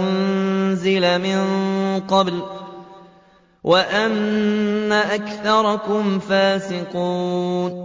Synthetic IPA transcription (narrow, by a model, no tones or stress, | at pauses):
nzɪlamɪnqɑbl | wʔaʔanː | aʔakθɑɾˤɑkʊmfaːsɪquːn